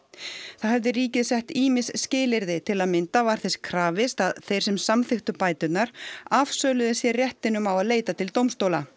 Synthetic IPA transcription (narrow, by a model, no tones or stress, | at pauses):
θaðhɛvðɪɾiːcɪðsɛht̪iːmɪsscɪːlɪɾðɪt̪ʰɪlaðmɪnt̪avaɾ̥θɛskʰɾaːvɪst̪aðθejɾ̥sɛmsamθɪxt̪ʏpaːjt̪ʏt̪naɾavsœːlʏðɪsjɛrjɛht̪ɪnʏmawaðleːjt̪at̪ʰɪlt̪owmst̪owla